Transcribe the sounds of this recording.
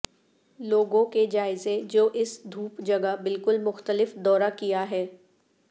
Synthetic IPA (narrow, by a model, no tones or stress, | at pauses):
loːɡõked͡ʒaːɪzed͡ʒoːʔɪsd̪ʱuːpd͡ʒɐɡəbɪlkʊlmʊxt̪əlɪfd̪ɔːɾakijaɦɛː